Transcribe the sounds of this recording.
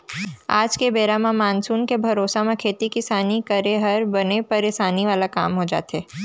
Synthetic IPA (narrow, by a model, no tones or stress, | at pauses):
a̰ːd͡ʒkebeːɾamãmaːnsuːnkebʱɐɾoːsamẽkʰeːt̪ikɪsaːnikɐɾeɦɐɾbɐnepɐɾɪsaːniʋaːlakaːmɦod͡ʒa̰ːt̪ɛː